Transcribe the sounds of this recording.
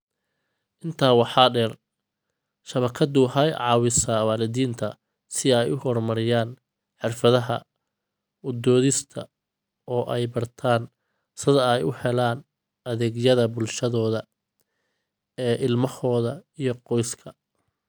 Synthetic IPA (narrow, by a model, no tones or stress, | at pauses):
ʔɪnt̪ʰaːwɑħɑːɖɛːr | ʃɐβɐkʰɐd̪ʊɦɐjʕɑːwɪsɐwaːlɪðiːnt̪ʰɐ̰ | sɪɛjʊhɔrmɐɾɪjaːn | ħɪrfɐðɐɦɐ̰ | ʊd̪ɔːðɪst̪ʰɐ | ɔːʔɛjbɐrt̪ʰaːn | sɪðɐɛjʊhɛlaːn | ɐðɛːɡjɐðɐbʊlʃɐðɔːðɐ | ɛːʔɪlmɐhɔːðɐijɔqɔjskʰɐ